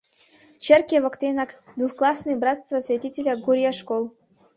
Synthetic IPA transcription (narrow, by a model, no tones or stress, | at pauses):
t͡ɕerkʲevokt̪ʲenakd̪vuxklˠasnɨjbɾat̪st̪vɐsvʲetʲitʲelʲaɡuɾʲjaʂkolˠ